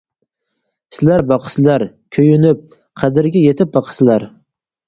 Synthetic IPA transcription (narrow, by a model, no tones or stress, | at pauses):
sɪlæɾbɑqʰə̥sɪlæɾ | kʲʰøjynɪp̚ | qʰæd̪ɪɾɡʲɛjet̪ʰɪp̚bɑqʰə̥sɪlæɾ